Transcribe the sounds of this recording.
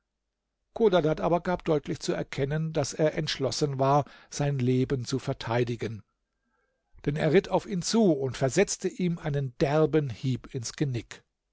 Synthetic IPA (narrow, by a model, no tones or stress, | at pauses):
kʰoːdadatʔaːbɐɡaːp̚d̥ɔʏtʰlɪçt͡suɛɐkʰɛnəndaseːɐʔɛntʃlɔsənvaːɐz̥aɪnleːbənt͡sufɛɐtʰaɪdɪɡən | d̥ɛnḛːɐʁɪtʰaʊfiːnt͡suːʊntfɛɐzɛt͡stəʔiːmʔaɪnənd̥ɛɐbənhiːpɪnsɡ̥ənɪk